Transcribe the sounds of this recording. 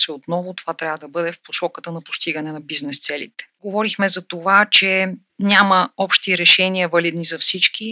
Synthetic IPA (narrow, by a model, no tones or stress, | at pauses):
sɛot̪nɔvʊt̪ovat̪ɾʲavəd̪ɐbɤd̪ɛfposɔkət̪ənɐpo̥st̪iɡənɛnɐbiznɛst̪sɛlḭt̪ɛ̥ɡovɔɾixmɛzɐt̪ovat͡ʃɛ | nʲaməɔpʃt̪iɾɛʃɛniəvɐlid̪nizɐfsit͡ʃki